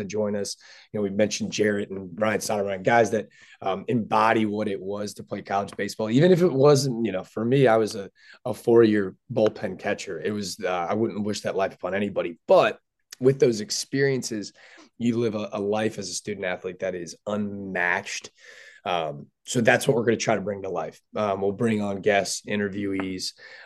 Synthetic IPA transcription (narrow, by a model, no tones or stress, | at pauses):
ɨd͡ʒɔ̃ɪ̃nʌsjɨnoʊwimɛ̃nʃn̩d͡ʒɛɹɨɾn̩bɹãɪɨ̃nsɑɾəɹaɪɨ̃nɡaɪzðɨɾ | ʌɨ̃mbɑɾiwʌɾɪʔ̚wʌz̥tʰəpʰl̥eɪkʰɑlˠəd͡ʒbeɪsb̥ɔlˠivɨ̃nɨfɨt̚wʌz̃njɨnoʊfə˞miaɪwʌzɨ | əfɔɹjɪɹboʊlˠpʰɛ̃nkʰæt͡ʃə˞ɪt̚wʌzʌaɪwʊdⁿn̩ʔwɪʃðɨtˡlaɪfə̥pʰɑ̃nɛnibɑɾib̥ʌt̚ | wɨðoʊzɨkspɪɹiɨ̃nsɪzjɨlɪvəʔəlaɪfɨzɨstʉdⁿn̩tæθlit̪̚ðɨɾɪzə̃nmæt͡ʃtʌ̃m | soʊðætswʌt̚wə˞ɹɡʌ̃nɨtʰɹ̥aɪɾəbɹɪ̃ŋtʰəlaɪfʌmwilˠbɹɪ̃ŋə̃nɡɛstɪ̃ɾ̃ə˞vjʉiz̥